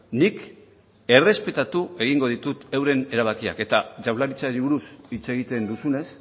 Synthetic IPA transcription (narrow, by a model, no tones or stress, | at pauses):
nik | e̞re̞spe̞t̪at̪ue̞ɣ̞iŋɡo̞ð̞it̪ut̪ewɾe̞ne̞ɾaβ̞akia̰ke̞t̪at͡ʃawlaɾit͡saɾiβuɾusit͡se̞ɣit̪e̞nd̪usune̞s